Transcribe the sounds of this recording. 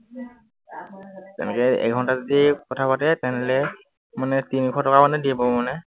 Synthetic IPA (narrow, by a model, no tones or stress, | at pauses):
tɛ̰nɛkɛɛ̰ɡʱɔntazodikɔtʰapatɛtɛnɛlɛ | manɛtinikʰɔtɔkamanɛdibɔmanɛ